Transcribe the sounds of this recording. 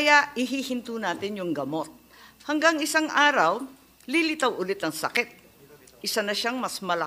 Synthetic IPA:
kɐjaʔɪɦihɪnt̪uːnaːt̪ɪnjʊŋɡɐmot̪̚ | hɐŋɡaŋɪsaŋʔaːɾɐw | lilɪt̪ɐwʔʊlɪt̪ɐŋsɐkɛt̪̚ | ʔɪsanɐʃaŋmɐsmɐlɐ

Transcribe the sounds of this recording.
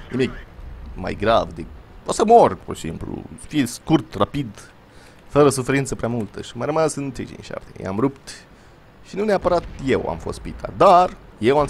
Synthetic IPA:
nimikma̰jɡɾavd̪eposəmorʲpoɾesimplṵsfijeskurt̪rapid̪ | fəɾəsufeɾint̪səpɾeamult̪əʃimajrəmasɨnt̪ɾḭd͡ʒḭnʲʃa̰pt̪ejḛa̰mrupt̪ | ʃinuneapəɾat̪je̞wa̰mho̞st̪pit̪ʰa̰d̪ar | je̞wam

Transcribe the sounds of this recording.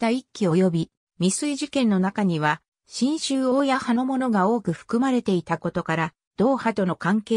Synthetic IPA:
aikʲːio̞jo̞bʲi | mʲisɨiʑikẽ̞nːo̞nakaɲ̟iβ̞a | ɕĩɰ̃ɕɨːo̞ːjahanomo̞no̞ɡao̞ːkɯ̟ɸɯ̟̥kɯ̟maɾe̞t̪e̞it̪ako̞t̪o̞kaɾa | d̪̥o̞ːhat̪o̞no̞kãŋkeː

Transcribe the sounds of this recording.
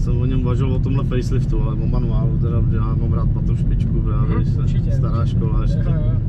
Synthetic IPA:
sɛmoɲɛmuvaʒɪlvot̪omɦlɛfɛjslɪft̪ualɛvomanuaːlut̪ɛɾadɪjaːmamɾaːt̪̚pat̪omʃpɪt͡ʃkupɾaːvɛʃɛst̪aɾaːʃkolaʃt̪ak

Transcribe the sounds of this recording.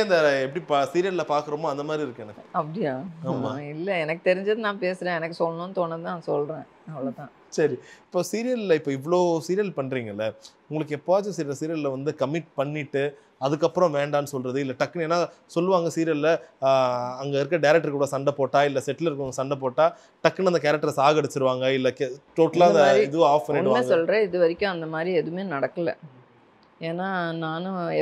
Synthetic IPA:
ɐnd̪ɐɛpːɐɽipasiːɾɪjɐllɐpaːɾkɯɾɐmoːɐnd̪ɐmaːd̪ɾiɪɾɯkːɯɛnɐkːɯɐpːɐɽɪjaːamaɪlːɐɛnɐkːɯt̪ɛɾɪɲd͡ʒɐðɯnãːpeːsɾẽːɛnɐkːɯsɔlːɐnõːnːɯt̪oːnɐðɯaːsɔlɾẽː | ɐʋɐɭoːt̪ãː | sɐɾiɪpːoːsiːɾɪjɐlɪlɐɪpːoːɪʋːɐɭoːsiːɾɪjɐlpɐɳːɾiːŋɡɐɪlːɐʊŋɡɐɭɯkːɯɛpːoːat͡ʃːɐ̃siːɾlɐsiːɾɪjɐllɐʋɐnd̪ɯkɐmɪʈ̚pɐɳːɪʈːɯ | ɐðɯkːɐpːɯɾɔ̃ʋeːɳɖaːnːɯsɔlɾɐðɯɪlːɐʈɐkːɐɳeːnːaːsɔlːɯʋaːŋɡɐsiːɾɪjɐllɐ | ɐŋɡɐɪɾɯk̬ːɐɖɐɪɾɛk̚ʈːɐɾkuːɽɐsɐɳɖɐpoːʈːaːɪlːɐsɛʈːɐlɪɾɯkːɯɐŋɡɐsɐɳɖɐp̬oːʈːaː | ʈɐkːɐnɐnd̪ɐkeːɾɐk̚ʈɐɾsaːɣɐɽɯt͡ʃːɪɾɯʋaːŋɡɐɪlːɐkʈoːʈːɐlaːɐɪðɯʋ̃aːfpɐnɪnameːsɔlːɾɛ̃ɪðɯʋɐɾɪkʲːʊ̃ɐnd̪ɐmaːd̪ɾiɛðɯmeːnɐɽɐkːɐlɛ̰̃ | eːnaːnaːnʊ̃ɛ

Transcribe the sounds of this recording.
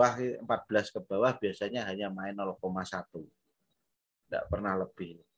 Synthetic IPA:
wahəmpat̪̚b̥əlaskəbawahbiasaɲaɦaɲamaɪnːolɔkomasat̪u | ŋda̰ʔpərnahləb̥ɪh

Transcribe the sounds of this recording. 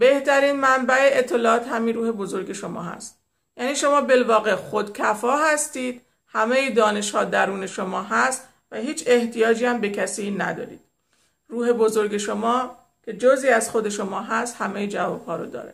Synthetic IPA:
be̞ht̪æɾiːnmæmbæeet̪ʰːe̞lɒːɒːt̪ʰhæminɾuːhe̞bo̞zo̞ɾɡe̞ʃo̞mɒ̰ːɦæ̰st̪ | jæːniːʃo̞mɒːbe̞lvɒːɣe̞xod̪cʰæfɒːhæst̪iːd̪̥ | hæmejid̪ɒːne̞ʃhɒːd̪æɾuːne̞ʃo̞mɒːɦæst̪ | væɦiːt͡ʃʰe̞ht̪ʰijɒːd͡ʒiːæmbe̞cʰæsiːnæd̪ɒ̰ːɾḭːd̪̥ | ruːhe̞bozo̞ɾɡe̞ʃo̞mɒː | kʲʰe̞d͡ʒoːziːæzxo̞d̪e̞ʃo̞mɒːɦæst̪hæmejid͡ʒævɒ̰ːb̥hɒːɾo̰d̪ɒ̰ːɾe̥

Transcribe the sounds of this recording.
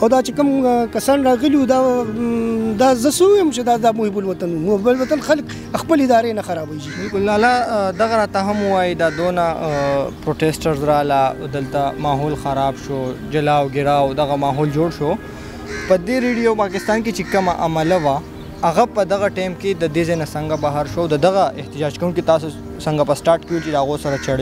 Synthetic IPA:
awd̪at͡ʃekəmkɐsɑːnɾɑɣəliud̪a | d̪azəsəuwjəmt͡ʃed̪ad̪amuɦɪbʊlwɐt̪anumublwɐt̪anxalk | xpəlɪd̪ɑːɾenaxɐɾaːbad͡ʒimibʊlnaːlad̪ɐɣaɾaːt̪aɦamuwajid̪ad̪onapɾoːʈesʈəɾzɾalad̪əlt̪amɑɦoːlxɐɾaːbʃod͡ʒɐlawɡɪɾawd̪aɣamɑɦoːld͡ʒoɽʃo | pəd̪eɾeɖijopɑkɪst̪ɑːnket͡ʃekɐmaʔamalawaː | ɣapəd̪aɣaʈajmked̪əd̪ezajnasɐŋɡabaɦaɾʃoːwd̪əd̪ɐɣaʔɪht̪ɪd͡ʒɑːd͡ʒkɐwunkit̪ɑːso | sɐŋɡapəsʈɑːɾʈkeut͡ʃed̪əaɣosɐɾat͡ʃɐɽ

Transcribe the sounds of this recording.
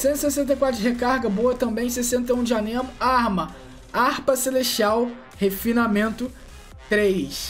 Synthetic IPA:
sẽnt̪sesẽnt̪̬ejkwat̪ɾʊɦekaɾɡɐboɐt̪ɐ̃mbẽj̃sesẽnt̪eũd͡ʒianẽmʊaɾmɐ | ahpɐseleʃt͡ʃiaw | hefinamẽnt̪ʊ | t̪ɾejs

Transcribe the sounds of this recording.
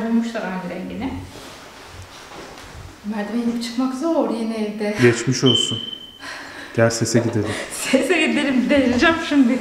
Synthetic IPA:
bulʲmuʃlˠaɾanɡ̪ʲiɾɛɲɟinɪ | mæɾd̪emejinipt͡ʃʰɯ̥kmakzoɾjenɛilʲd̪ɪɟɛt͡ʃmiʃo̞lˠsun | ɟ̥ælʲsesɛɟid̪elʲimsesɛɟid̪elʲimd̪ejild͡ʒæmʃimd̪ɪ

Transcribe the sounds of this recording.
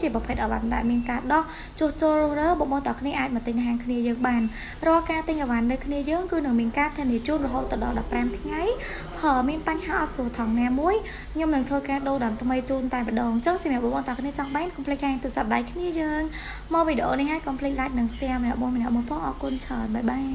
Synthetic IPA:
t͡ɕiəprɑpʰət̪ʔaʋa̰nɗaɛlmiənkaːɗɑh | t͡ɕʊ̆əht͡ɕoːlrʊ̆əhrəːɓoʔɓoːnt̪ɑkʰniəʔaːc̚mət̪ɨɲʔaɦaːŋkʰniəjəːŋɓaːn | rɔ̆əlkaːt̪ɨɲʔaʋanːɨwkʰniəjəːŋkɨːnɨŋmiənkaːt̪ʰɨniət͡ɕuːnrɔɦoːt̪ːɑɗɑ̰lɗɑpːramt̪ʰŋaj | pʰəːmiənpaɲhaːʔɑt̪̚suət̪ʰɑŋnaːmuəjʰ | ɲomnɨŋt̪ʰʋəːkaːɗoːɗɑmt̪ʰməjt͡ɕuːnt̪aɛməɗɑːŋt͡ɕəŋsamjɛəp̚ɓoʔɓoːnt̪ɑkʰniət͡ɕɑŋɓaːnkɑmpʰlɨk̚haːŋt̪uəsap̚ɗajkʰniəjəːŋ | mɑːʋiːɗeʔoːnihːaːj̚kɑmpʰlɨk̚lac̚nɨŋsɛəmənɛ̆əʔmuəjmənɛ̆əʔmuəjpʰɑːŋʔɑːkʊənt͡ɕʰəənɓaɛɓaːn

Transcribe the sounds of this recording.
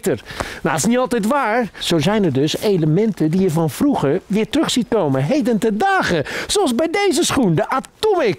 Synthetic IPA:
tərnaɪ̥sniɑlˠtɛjtʋaːɹz̥owzɛjnəɹdɵsejləmɛntədiəfɑnvruχəɹʋɪːɹtrɵχsit̚kowməɦejdəntədaːχəsoɑlˠzbɛjdejzəsχundəʔatɔmɪk

